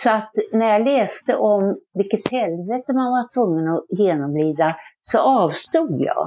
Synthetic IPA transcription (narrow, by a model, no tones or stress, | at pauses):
sɔat̪næɾjɑlɛːst̪əʔɔmvɪlkət̪hɛlveːt̪əmanvaʈʰvɵŋːənɔjeːnɔmliːd̪asɔʔɑːvst̪uːd̪jɑ̰ː